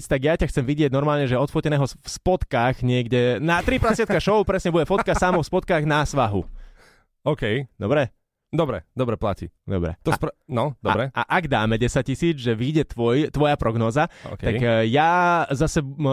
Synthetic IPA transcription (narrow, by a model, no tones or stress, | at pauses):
t͡st̪aɡjacaxt͡sɛmʋiɟɪɛɟnɔɾmaːlɲɛʒɛɔt̪fɔcɛnɛːɦɔfspɔt̪kaːɣɲɪɛɡdɛnat̪ɾipɾasɪat̪kaʃɔʊpɾɛsɲɛbuɟɛfɔt̪̚kasaːmɔfspɔt̪̚kaːɣnasʋaɦṵ | ɔkɛjd̪ɔbɾɛ | d̪ɔbɾɛ̰d̪ɔbɾɛpla̰cḭːd̪ɔ̰bɾɛ̰t̪ɔspnɔd̪ɔbɾɛʔa̰ʔaɡd̪aːmɛɟɛsac̚t͡ɕisiːd͡zʒɛʋiɟɛt̪ʋɔjt̪ʋɔjapɾʔɔɡnɔːza̰tk̪aɡjazasɛ